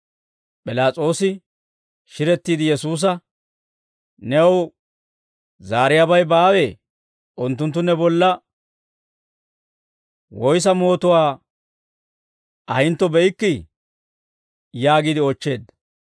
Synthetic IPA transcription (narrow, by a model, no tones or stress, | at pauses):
pʼɪlaːt͡sʼo̞ːsɪ | ʃɪɾɛt̪ːiːd̪ɪjɛsuːs̬ɐ | nɛw | zaːɾɪjabɐjbaːweː | ʔʊnt̪ːʊnt̪ːʊnɛbɔlːɐ | wɔjs̬ɐmo̞ːt̪ʊwaː | ʔɐhɪnt̪ːɔbɛjkːɪ | jaːɡiːd̪ɪɔt͡ʃːe̞ːd̪ɐ